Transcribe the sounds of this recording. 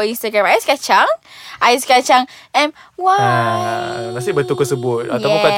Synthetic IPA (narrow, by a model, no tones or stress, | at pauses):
inst̪əɡɹãmajskat͡ʃaŋʔajskat͡ʃaŋʔɛ̃mwa | mas̬ɪʔbət̪ukəsəbʊt̪̚a̰t̪apa